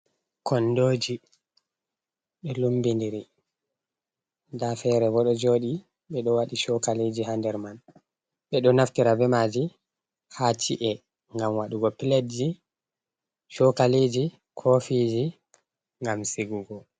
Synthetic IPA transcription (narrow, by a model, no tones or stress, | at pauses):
kʰɔndoːd͡ʒi | ɗɔlumbindiɾi | dafɛɾɛbɔɗɔd͡ʒoɗi | ɓɛɗɔwaɗiʃɔkaled͡ʒihandɛɾman | ɓɛɗɔnaftiɾabɛmaːd͡ʒi | hat͡ʃiʔɛ | ŋɡamwaɗuɡɔpiledd͡ʒi | ʃɔkaled͡ʒi | kʰɔfid͡ʒi | ŋɡamsiɡuɡɔ